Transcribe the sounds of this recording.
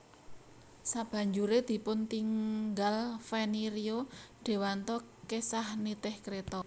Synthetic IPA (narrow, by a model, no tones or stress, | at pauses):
sab̥ä̤ɲd͡ʒuɾed̪̥i̤pʊnt̪iŋɡalfɛniɾioɖ̥e̤want̪ɔkesahnit̪ɪhkɾet̪ɔ